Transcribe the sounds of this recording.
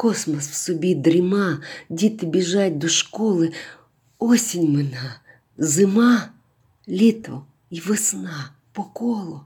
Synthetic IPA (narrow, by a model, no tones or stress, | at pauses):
kosmɐsfsʊbʲid̪ɾʲɪmadʲit̪ɪbʲɪʒat̚ʲd̪ɔʂkɔlˠɨ | osʲɪnʲmɨna | zɪma | lʲit̪ɔ̰ | iʋɨsna | pɔkolˠʊ